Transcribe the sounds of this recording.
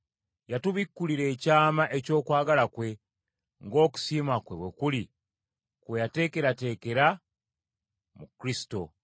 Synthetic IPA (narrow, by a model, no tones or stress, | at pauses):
jatuβikːuliɾe̞ːcaːmaʔe̞co̞ːkwaːɡalakwe̞ | ŋɡo̞ːku̥siːmakwe̞βwe̞kuli | kwejate̞ːke̞ɾate̞ːke̞ɾa | mukɾisi̥to̞